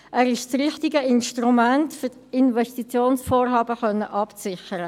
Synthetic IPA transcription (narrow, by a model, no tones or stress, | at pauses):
ʔæːɾɪʃt͡srɪχtɪɡəɪnʃtrumæntfy | ɪnvɛstit͡sjoːnsfoːɾɦɑːbəχœnːəʔɑpt͡sɪχəɾə